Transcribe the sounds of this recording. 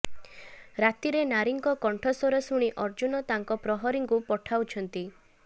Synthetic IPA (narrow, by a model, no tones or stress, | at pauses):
ɾat̪iɾenaɾiŋkɔkɔɳʈʰɔsɔɾɔsuɽ̃iʔɔɾd͡ʒunɔt̪aŋkɔpɾɔɦɔɾiŋkupɔʈʰawt͡ʃʰɔnt̪i